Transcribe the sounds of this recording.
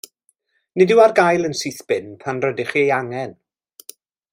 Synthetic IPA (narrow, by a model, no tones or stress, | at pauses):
nɪdɪwarɡajlˠənsiːθb̥ɪnpʰanrədɪχiejaŋɛn